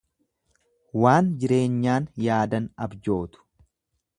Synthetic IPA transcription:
waːnd͡ʒɪɾe̞ːɲːaːnjaːd̪ɐnɐbd͡ʒo̞ːt̪ʊ̥

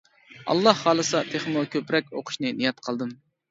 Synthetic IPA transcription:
ɑ̰lˠːɑhːɑːlˠɨsɑt̪ʰeχmukʲʰøpɾɛk̚ʲoqʰʊ̥ʃnɨnijɑt̪qʰəlˠd̪ɨm

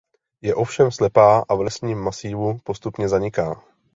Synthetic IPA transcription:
jɛʔo̞fʃɛmslɛpaːʔavlɛsɲiːmːasiːvupo̞st̪upɲɛzaɲɪkaː

